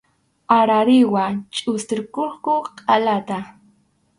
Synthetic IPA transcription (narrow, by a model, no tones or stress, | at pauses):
aɾaɾɪwat͡ʃʼʊst̪ɪɾkoɾkʊqʼalat̪a